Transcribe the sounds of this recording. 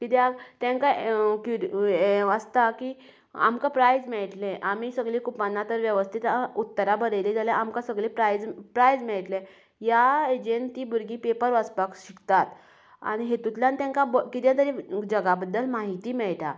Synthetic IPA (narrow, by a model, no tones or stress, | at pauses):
kit̪jaɡt̪ãŋkaku | əst̪akiː | a̰mkapɾajd͡zmɛɭʈleʔamisəɡɭikupanːat̪əɾʋjəʋəst̪ʰit̪aut̪ːəɾabəɾəjled͡zalẽʔamkasəɡɭepɾajd͡zpɾajd͡zmɛɭʈle | ɦjaed͡ʑent̪iːbuɾɡipepəɾʋəspakɕikt̪at̪ | a̰ɽ̃iɦet̪ut̪ljant̪ãŋkabəkit̪̬jat̪̬əɾed͡ʑəɡabəd̪ːəlmaɦit̪iːmɛɭʈ̪a